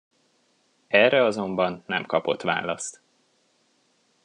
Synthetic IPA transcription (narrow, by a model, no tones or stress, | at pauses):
ɛrɛɒzo̞mbɒnːɛmkɒpo̞̰t̪ʋa̰ːlɒst̪